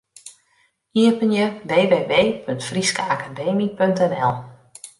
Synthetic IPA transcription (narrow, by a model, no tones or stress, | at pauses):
iəpənjəʋeːʋeːʋeːpʰøntfriskəakadeːmipøntɛnɛlˠ